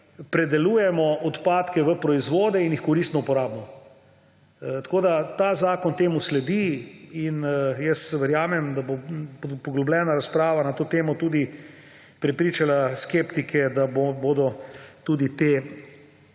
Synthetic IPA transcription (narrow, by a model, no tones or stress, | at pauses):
pɾɛd̪ɛluːjɛmɔɔt̪paːt̪kɛʋəpɾɔizʋoːd̪ɛinjixkɔɾist̪nɔupɔɾaːbnɔ | t̪akoːd̪at̪aːzaːkɔnt̪eːmuslɛd̪iinjɛst̪sɛʋɛɾjaːmɛmd̪abopɔɡlɔblɛːnaɾaspɾaːʋanat̪oːt̪eːmɔt̪ud̪i | pɾɛpɾiːt͡ʃalaskeːpt̪ikʰɛd̪aboboːd̪ɔt̪uːd̪it̪e